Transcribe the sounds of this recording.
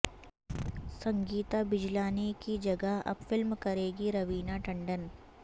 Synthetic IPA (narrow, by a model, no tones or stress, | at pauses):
sɐ̃ŋɡiːt̪abɪd͡ʒlaːnekid͡ʒɐɡəɦɐ̰bfɪlmkɐɾeːɡiɾɐʋiːnaʈɐ̃ɳɖən